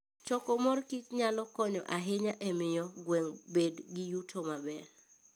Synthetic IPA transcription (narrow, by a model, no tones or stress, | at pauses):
t͡ʃɔkɔmɔrkit͡ʃɲalɔkɔɲɔʔaɦeɲaʔɛmɪjɔɡwɛŋbedɡɪjutʰomabɛl